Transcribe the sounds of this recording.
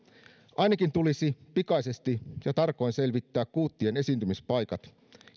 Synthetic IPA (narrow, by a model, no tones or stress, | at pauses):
ʔɑjnɑkint̪ulisipikɑjse̞st̪ijɑt̪ɑrkːˑo̞inse̞lʋit̪ːæːkkuːt̪ːiene̞siːnt̪ymispɑjkɑt̪